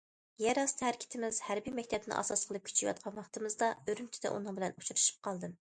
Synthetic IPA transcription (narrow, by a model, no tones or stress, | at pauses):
jɛɾɑst̪ʰhæɾkʲʰɪ̥t̪ʰɪmɪz̥hæɾbijmɛkʲt̪ʰɛb̪̚ɪnɪ̰ʔɑ̰sɑsqʰəlˠɨp̚kʲʰy̥t͡ʃʰijwɑ̰t̪̚qʰɑnwɑχt̪ɨmɨzd̪ɑøɾymt͡ʃ̪ʰɪ̥d̪ɛ̰ʔṵnɨŋbɪlɛnut͡ʃʰuɾɨʃi̥p̚qʰɑlˠd̪ɨm